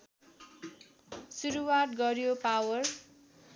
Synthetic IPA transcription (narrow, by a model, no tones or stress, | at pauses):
suɾuwat̪̚ɡʌɾjopawʌr